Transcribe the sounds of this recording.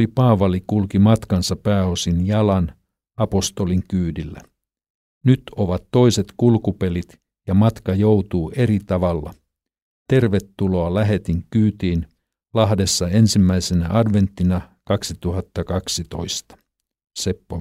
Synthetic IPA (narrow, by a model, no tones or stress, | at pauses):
ipɑːʋɑlikulkimɑt̪kɑnsɑppæːo̞sinjɑlɑn | ɑpo̞st̪o̞liŋkyːdilːæ̰ | nyt̪oʋɑt̪ːo̞ise̞t̪kulkupe̞lit̪ | jɑmɑt̪kɑjowt̪uːʔe̞ɾit̪ɑʋɑlːɑ̰ | t̪e̞rʋe̞t̪ːulo̞ɑlæɦe̞t̪iŋkyːt̪iːn | lɑɦde̞sːɑe̞nsimːæisenæʔɑdʋe̞nt̪ːinɑkɑksit̪uɦɑt̪ːɑkɑksit̪o̞̰ist̪ɑ̥ | sepːo